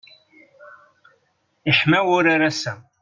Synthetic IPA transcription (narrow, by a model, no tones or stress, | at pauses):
iħmæwʊɾaɾasæ